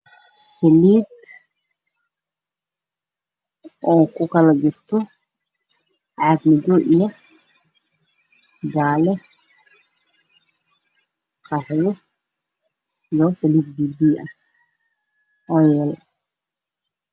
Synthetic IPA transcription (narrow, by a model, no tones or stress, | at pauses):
sɛliːd̪ | ɔːkʰʊkʰɐlɐd͡ʒɪrt̪ʰɔ | ʕɑɡmɛd̪ɔʔijɐ | ɡaːlɛ | qʰɑħjɔ | jɔsɛliːd̪̚biːbiːʔɐ | ɔːjɛːl